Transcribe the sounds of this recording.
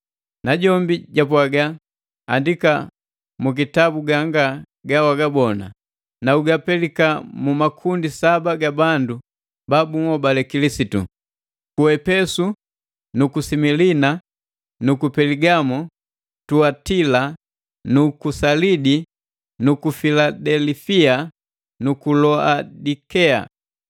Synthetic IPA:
naɟɔmbiɟapwaɡa | andika | muk̬itabuɡaŋɡa | ɡawaɡabɔna̰ | nauɡapɛlikamumakʰundisabaɡabandu | babumɔbalɛkilisitṵ | kuɛpɛsu | nukusimilina | nukupɛliɡamu | tuatila | nukusalidi | nukufiladɛlifia | nukulɔadikɛa̰

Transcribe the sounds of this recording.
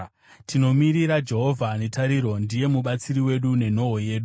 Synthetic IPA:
tʰino̞miɾiɾad͡ʒe̞ɦo̞vʱane̞taɾiɾo̞ndije̞muɓat͡siɾiwe̞ɗune̞n̤o̞ɦoje̞ːɗu

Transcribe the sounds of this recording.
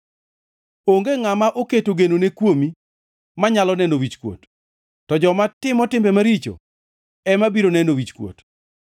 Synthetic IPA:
oŋɡeŋamaʔoketoɡenonekwomi | maɲalɔnɛnowit͡ʃkwo̰tː | ɔd͡ʒɔmatɪmɔtɪmbɛmaɾit͡ʃo̰ | ɛmabiɾonɛnowit͡ʃkwo̰t

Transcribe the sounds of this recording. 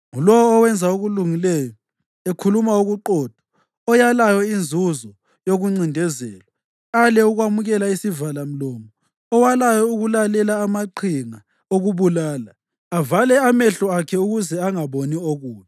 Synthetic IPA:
ŋulɔwːwɛnd͡zʱaoɣuluŋilɛjɔ | ekʰulumauɣuǃɔːd̥ʱɔ̥ | ɔjalajɔind͡zʱuzɔ | joɣuŋ͡ǀindʱɛzɛːla | alɛuɣwamuɣɛlaisivalam̩lɔːmɔ | ɔwalajɔuɣulalɛlaːmaǃʰiŋa | oɣuβulaːla | avalɛamɛɬɔakʰɛuɣuzɛaŋaβonioɣuːjɛ

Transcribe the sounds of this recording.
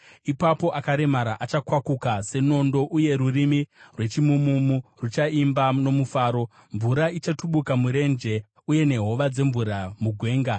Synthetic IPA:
ipapo̞ʔakaɾe̞maɾaʔat͡ʃakwakukase̞no̞ndo̞ʔuje̞ɾurimirwe̞t͡ʃimumumurut͡ʃaimbano̞mufaːɾo̞ | ɱvuɾait͡ʃatuɓukamuɾe̞nd͡ʒe̞ | uje̞ne̞ɦo̞ʋad͡ze̞ɱvuɾamuɡʱwe̞ːŋɡa

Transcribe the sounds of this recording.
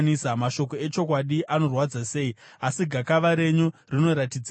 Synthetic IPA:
nisamaʃo̞ko̞e̞t͡ʃo̞k̬waɗiʔano̞rwad͡zase̞i | asiɡʱakaʋaɾe̞ɲurino̞ɾatid͡z

